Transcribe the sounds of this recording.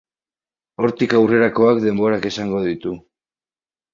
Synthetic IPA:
o̞ɾt̪ikawre̞ɾako̞akd̪e̞mbo̞ɾake̞saŋɡo̞ðit̪u

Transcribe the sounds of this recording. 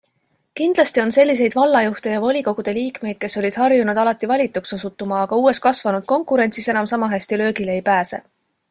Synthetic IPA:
kind̪lɑst̪io̞nse̞lʲːis̬e̞jd̥̪vɑlːɑjuht̪e̞jɑvo̞lʲiko̞ɡ̥ud̪̥e̞liːkme̞jd̪̥̚ke̞sːo̞lʲid̪̥hɑrjunud̪ɑlɑt̪ːˑivɑlʲit̪ːˑukso̞sut̪ːˑumɑːɡ̥ɑuːe̞st̪kɑsvɑnud̪̥̚ko̞ŋkuɾe̞nʲtsise̞nɑmsɑmɑɦæsʲt̪ilø̞ːɡileejpæːse̞̰

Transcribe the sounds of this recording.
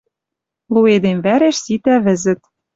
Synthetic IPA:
lˠued̪emvæɾeʃsit̪æβɘ̆zɘ̆t̪̚

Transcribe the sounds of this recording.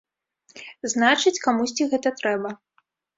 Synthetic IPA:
znat͡ʂɨt͡sʲkamusʲt͡sʲiɣɛt̪ɐt̪ɾɛbɐ

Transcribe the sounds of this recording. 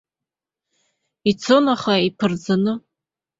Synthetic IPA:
it͡sʰonaχaipʰɨrd͡zanɨ

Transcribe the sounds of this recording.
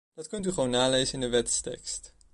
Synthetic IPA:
d̥ɑtkɵntyχəʋownːaːlejzəɪndəʋɛtstɛ̰kst

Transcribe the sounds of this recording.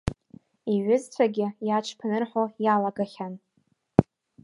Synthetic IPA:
iɥʷʊzt͡ɕʷʰaɡʲɪjat͡ʃʰpʰnɨrħojalaɡaχʲan

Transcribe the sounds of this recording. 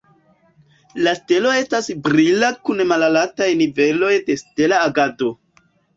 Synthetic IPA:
laste̞lo̞e̞stasbɾilakunmalalatajnive̞lo̞jde̞ste̞laːɡado̞

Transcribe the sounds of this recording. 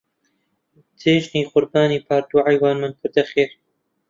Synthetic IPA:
t̪ʰeːʒniːqʊɾbaːniːpʰaːɾd̪uːʕajwaːnmankʰʊɾd̪ɐxeːɾ

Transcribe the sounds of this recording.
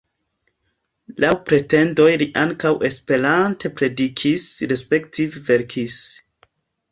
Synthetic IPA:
lawpɾe̞te̞ndo̞jliʔaŋkawʔe̞spe̞ɾante̞pɾe̞dikʰisɾespe̞ktʰivve̞ɾkʰis

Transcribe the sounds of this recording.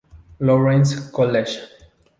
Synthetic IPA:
lɔɹɛ̃nskɔlɛʃ

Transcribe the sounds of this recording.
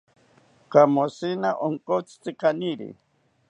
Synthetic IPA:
kamosinaʔoŋkot͡si̥t͡sikaniɾḭ

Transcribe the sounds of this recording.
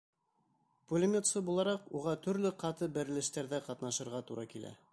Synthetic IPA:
pulʲemʲet̪sɤbulˠɑɾɑquʁɑt̪ɵ̆ɾlɘqɑt̪ɤbæɾɘ̆lɘ̆ʃt̪æɾðæqɑt̪nɑʃɤ̆ɾʁɑt̪uɾʔɑkilæ̰

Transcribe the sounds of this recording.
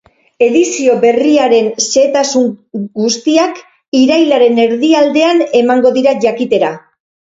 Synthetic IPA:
e̞ðisio̞be̞riaɾe̞nse̞t̪asuŋɡust̪iak | iɾajlaɾe̞ne̞ɾðiald̪e̞ane̞maŋɡo̞ðiɾaʝakit̪e̞ɾa

